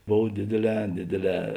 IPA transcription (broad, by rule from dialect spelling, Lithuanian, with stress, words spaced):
ˈboːw ˈdʲeːdʲeːˌlʲɛː ˈdʲeːdʲeːˌlʲɛː